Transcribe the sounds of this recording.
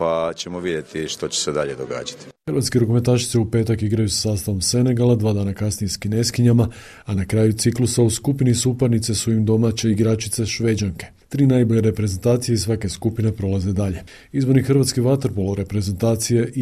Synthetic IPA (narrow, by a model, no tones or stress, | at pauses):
pat͡ɕemoʋid̪je̞t̪iʃt̪ot͡ɕe̥sed̪aʎed̪oɡa̰ːd͡ʒat̪i̥xəɾʋat̪skeɾokume̞nt̪aːʃi̥t̪se̞upet̪akiɡɾajusḁsaːst̪aʋo̞mse̞ne̞ɡalˠad̪ʋaːd̪aːnakasnijeskine̞skiɲama | anakɾaːjut̪siklusauskupinisupaɾnit̪sesuimd̪o̞mat͡ɕe̞iɡɾat͡ʃit̪se̞ʃʋe̞d͡ʒaŋke̞̥ | t̪ɾiːnajboʎeɾe̞pɾe̞zent̪aːt̪sijeisʋake̞skupine̞pɾo̞laze̞d̪aʎe̞ | izbo̞ɾnixrɾʋat̪skiʋat̪ɾpolɾe̞pɾe̞ze̞nt̪aːt̪sijeʔ